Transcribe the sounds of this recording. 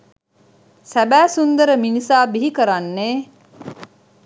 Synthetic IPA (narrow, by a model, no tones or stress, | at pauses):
sæbæːsund̪əɾəminisaːbiɦikəɾanːeː